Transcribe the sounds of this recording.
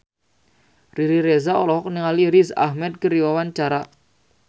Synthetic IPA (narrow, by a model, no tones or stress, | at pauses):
riɾiɾezaɔlɔɦɔk̚niŋaliɾiza̰hmɛt̪̚kəɾiwawant͡ʃaɾa